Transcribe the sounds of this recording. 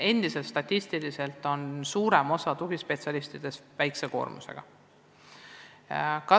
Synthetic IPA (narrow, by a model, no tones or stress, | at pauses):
e̞nd̪̥ise̞lt̪st̪ɑt̪ʲːist̪ilise̞lt̪ːˑo̞nsuːɾe̞mo̞sɑt̪uɡ̥ispe̞t̪siɑlist̪id̪̥e̞svæjkse̞ko̞̰ːrmṵse̞̰ɡ̥ɑ̰ | kɑ